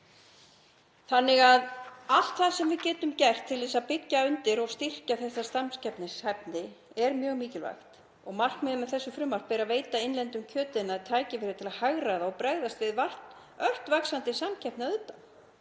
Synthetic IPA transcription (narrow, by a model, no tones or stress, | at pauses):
θanːɪɣaðal̥t̪θaðsɛmvɪðcɛːt̪ʏmcɛr̥t̪ʰːɪlvɪːsaðpɪcːaʏnt̪ɪɾɔɣst̪ir̥caθɛsːast̪amscɛpnɪshɛp̚nɪ | ɛɾmjœːɣmiːcɪlva̰jxt̪ | ɔɣmar̥knmɛðɪmɛðθɛsːʏfɾʏmːar̥k̚pɛːɾaveːjt̪aɪnlɛnt̪ʏmcʰœːt̪ɪnːaðit̪ʰaːjcɪfɪːɾɪt̪ʰɪlaðhaɣɾaðaɔɣpɾɛɣðast̪vɪðvar̥ | œr̥t̪vaksant̪ɪsamcʰɛpnɪaʏt̪a